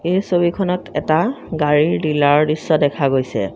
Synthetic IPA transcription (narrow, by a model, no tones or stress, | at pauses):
ejsobikʰɔnɔtʰɛ̰taɡaɹiɹdilaɹdisːɔdɛkʰaɡojsɛ̰